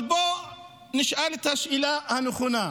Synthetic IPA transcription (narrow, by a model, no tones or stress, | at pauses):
bɔ | nɪʃalit̪ʰaʃilaanuχuna